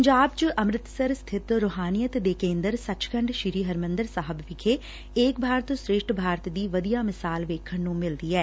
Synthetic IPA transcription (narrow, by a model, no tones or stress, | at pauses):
ɲd͡ʒaːbt͡ʃəʔəmɾɪt̪səɾst̪ʰɪt̪ɾoːɦaːnijət̪d̪eːkẽːnd̪əɾsət͡ʃkəɳɖʃɪɾiːɦəɾmə̃nd̪əɾsaːɦəbʋɪkʰeː | eːkbʱaːɾt̪õsɾeːʃʈʰbʱaːɾt̪d̪iːʋəd̪ijaːmɪsaːlʋeːkʰːəɳnũːmɪld̪iːɛː